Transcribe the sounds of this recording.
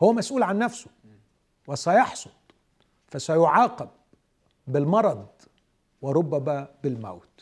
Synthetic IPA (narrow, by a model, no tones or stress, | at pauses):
howːæmæsʔuːlʕanːæfsʊ̥ | wɪsæjɑħsˤod̪̥̚ˤ | fæsæjʊʕɑːqɑb̚ | bɪlmɑɾˤɑd̪̚ˤ | wɪɾˤʊbːæmæːbɪlmæ̰wt̪